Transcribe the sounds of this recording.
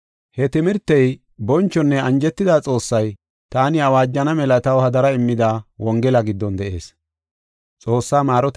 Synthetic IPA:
hɛt̪ɪmɪɾt̪ːɛj | bɔnt͡ʃːɔnːɛɐnd͡ʒɛt̪ːɪd̪aːt͡sʼo̞ːsːɐj | t̪aːnɪɐwaːd͡ʒːɐnɐmɛlɐt̪ɐwhɐd̪ɐɾɐɪmːɪd̪aːwɔŋɡɛlɐɡɪd̪ːɔnd̪ɛʔe̞̰ːs | t͡sʼo̞ːsːaːmaːɾɔt̪

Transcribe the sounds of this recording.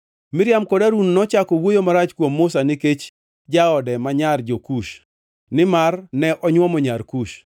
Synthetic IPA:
mɪɾjamkɔdaɾunnɔt͡ʃakɔwojomaɾat͡ʃkwomːʊsanɪket͡ʃ | d͡ʒaɔdɛmaɲard͡ʒokuʃ | nɪmarnɛʔɔɲwɔmɔɲarkuʃ

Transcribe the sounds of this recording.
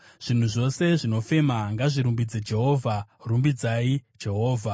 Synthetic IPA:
ʐ̥in̤uʐo̞se̞ʐino̞fe̞maŋɡaʐiɾumbid͡zed͡ʒe̞ɦo̞ːvʱarumbid͡zaid͡ʒe̞ɦo̞ːvʱa

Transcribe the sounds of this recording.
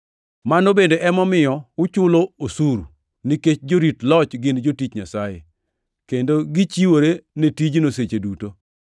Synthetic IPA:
manobendeʔɛmɔmɪjɔʊt͡ʃʊloosuɾu | niket͡ʃd͡ʒoɾitlɔt͡ʃɡɪnd͡ʒotit͡ʃɲasajḛ | kendoɡit͡ʃiwoɾenetid͡ʒnoset͡ʃeduto

